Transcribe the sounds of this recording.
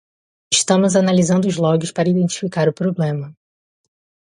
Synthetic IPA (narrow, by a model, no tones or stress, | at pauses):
ɪʃt̪ɐ̃mʊzanalizɐ̃nd̪ʊzlɔɡɪspaɾɐid̪ẽnt͡ʃi̥fikaɾʊpɾoblẽmɐ